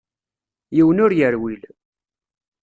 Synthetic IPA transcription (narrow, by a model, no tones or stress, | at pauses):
jiwənʊɾjəɾwil